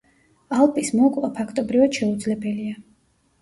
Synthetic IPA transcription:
alˠpʼismɔkʼlapʰakʰt̪ʼɔbɾivad̪̥ʃɛud̪zlɛbɛlia

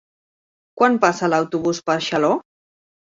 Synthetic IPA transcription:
kwampasalawt̪uβuspəɾʃalo

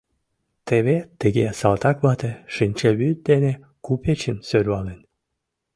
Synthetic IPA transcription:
t̪eβet̪ːəɣesɑlt̪ɑkβɑt̪eʃɨnʲt͡ɕeβyt̪̚d̪ene | kupet͡ɕənsøɾβɑlen

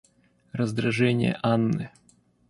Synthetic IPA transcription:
rəzd̪ɾɐʐɛnʲɪ̰jə̰ʔanːɨ

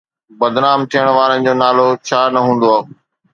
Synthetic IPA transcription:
bɐd̪naːmt̪ʰijəɽ̃ʋaːɾənɪ̆d͡ʑoːnaːlot͡ɕʰaːnɐɦũːn̆d̪oaː

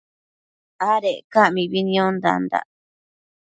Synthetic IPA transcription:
aɾeʔkaʔmĩβinĩõnd̪a̰nd̪a̰ʔ

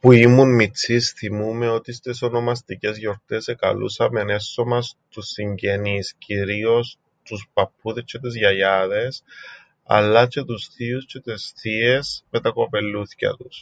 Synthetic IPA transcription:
puimunmit͡sisθimumeot̪ist̪esonomast̪icezʝo̞ɾt̪eseka̰lʔṵsamene̞sːomast̪usiɲɟenisciɾio̞s | t̪uspapːuðest͡ʃet̪ezʝajaðes | a̰lːat͡ʃet̪usθiust͡ʃet̪esθiespet̪akopelːuθcɐ̰t̪us

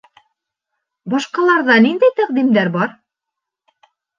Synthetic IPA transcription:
bɑʃqɑlˠɑɾðɑnind̪æjt̪æq̚d̪imd̪æɾbɑɾ

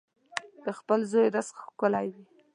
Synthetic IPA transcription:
d̪̥əxpəlzojd̪asxkəlajwi

